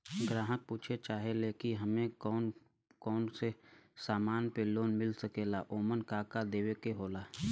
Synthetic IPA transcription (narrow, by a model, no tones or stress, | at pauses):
ɡɾãːɦək̚puːt͡ʃʰet͡ʃaːɦeleːkiɦɐmẽɔːn | kɔːnsesaːmaːnpeloːnmɪlsəkeːlaʔoːmənkaːkad̪eːwekeɦoːlaː